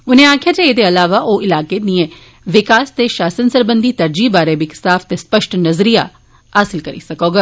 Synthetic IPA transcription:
ʊnẽːaːkʰjat͡ʃeeːd̪eɐlaːʋaʔoːɪlaːkeniẽ | ʋɪkaːst̪eʃaːsənsəɾbənd̪iːt̪ɐɾd͡ʒiːbaːɾebɪksaːfʰt̪espəʃʈnɐzɾija̰ | ɦaːsɪlkəɾḭsɐkoːɡaː

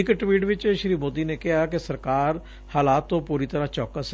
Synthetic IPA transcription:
ɪkʈwiːʈʋɪt͡ʃʃɾiːmoːd̪iːneːkɪɦaːkesəɾkaːɾ | haːlaːt̪ːõːpuːɾit̪əɾãːt͡ʃɔːkəs

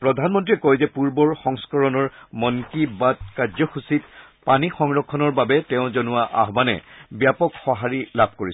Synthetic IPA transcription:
pɹɔdʱanmɔntɹiɛkɔjzɛpuɹbɔɹxɔŋskɔɹɔnɔɹmɔnkibad̚kaɹzɔxusit | panixɔŋɹɔkʰːɔnɔɹbabɛtɛʊ̃zɔnʊwaʔa̰ɦbanɛ̰bjapɔkxɔɦaɹilab̚ʱkoɹis

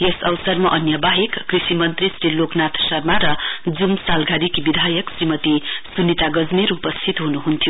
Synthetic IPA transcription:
jesʌwsʌrmaʔʌnjʌbaɦikːrisimʌnt̪risɾiloknat̪ʰsʌrmaɾʌd͡zumsalɡʱad̪ikbid̪ʱajʌksrimʌt̪isunːit̪aɡʌd͡zmiɾupʌst̪ʰit̪ɦunuɦunt̪ʰijo

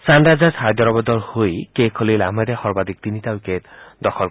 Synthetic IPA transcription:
sanɾad͡ʒazhad̪ʱɔɾɔbɔd̪ɔlhojkekʰolilamad̪ehɔɾbad̪ik̚t̪init̪awiket̪d̪ɔkʰɔl

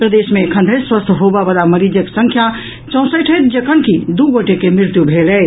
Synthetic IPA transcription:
pɾəd̪esmekʰə̃nd̪ʱəjswəst̪ʰɦobabəlaməɾid͡ʒəksəŋkʰja | t͡ʃə̃w̃səʈʰəjt̪̚d͡ʒekənkid̪uɡoʈekemɾiɾt̪jubʱelɛ

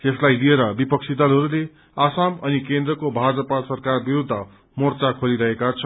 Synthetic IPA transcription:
t̪eslajlieɾʌbipʌk̚t͡sʰid̪ʌlɦʌɾule | asamʌnikend̪rʌkobʱad͡zʌpasʌrkarbiɾud̪ʱːʌ | mort͡sakʰoliɾʌɦekat͡sʰʌ

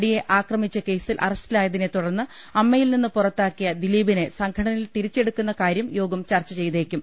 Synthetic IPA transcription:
ɽije̞ʔaːkrɐmit͡ɕːɐke̞jsilʔɐ̰rɐsʈilaːjɐðinet̪uɽɐrnːɨ | ɐmːɐjilninːɨpurɐt̪ːaːkːijɐd̪iliːbine̞sɐŋkʰɐɽɐnɐilt̪iɾit͡ɕːe̞ɽukːunːɐkaːɾjɐmjo̞ːɡɐmt͡ɕɐrt͡ɕːɐt͡ɕe̞jt̪eːkʲːum

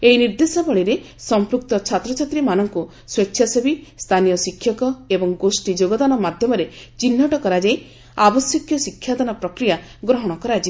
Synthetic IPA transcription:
einiɾd̪esɔbɔɭiɾe | sɔmpɾuk̚t̪ɔt͡ʃʰat̪ɾɔt͡ʃʰat̪ɾimanɔŋku | swet͡ʃːʰjasebist̪ʰanijɔsikʰːjɔkɔebɔŋɡosʈid͡ʒoɡɔd̪anɔmad̪ʱjɔmɔɾet͡ʃinːɔʈɔkɔɾad͡ʒaj | abɔsjɔkjɔsikʰːjad̪ɔnɔpɾɔkɾijaɡɾɔɦɔɽ̃ɔkɔɾad͡ʒi

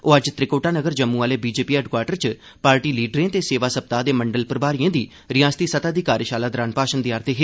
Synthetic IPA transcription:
oːəd͡ʒt̪ɾɪkoːʈaːnəɡəɾd͡ʒəmːũːaːleːbiːd͡ʒeːpiːɛːɖkwaːʈəɾt͡ʃ | paːɾʈiːliːɖɾẽːt̪eːseːʋaːsəb̚t̪aːd̪eːməɳɖəlpəɾbaːɾiẽːd̪iː | ɾɪjaːst̪iːsət̪aːd̪iːkaːɾəʃaːlaːd̪ɾaːnpaːʃənd̪iːaːɾt̪eːɦeː

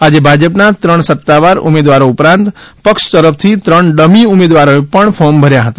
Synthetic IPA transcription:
ad͡ʒebʱad͡ʒəpnat̪ɾəɳ̃sət̪ːaʋaɾṵmed̪ʋaɾoupɾãnt̪pəkʃt̪əɾəpʰt̪ʰit̪ɾəɳɖəmiumed̪ʋaɾoepəɳfʰɔmbʱəɾjaɦət̪a

